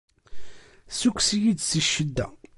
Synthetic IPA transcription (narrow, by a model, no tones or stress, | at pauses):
sukʷːsijid̪səʃːəd̪ːæ̰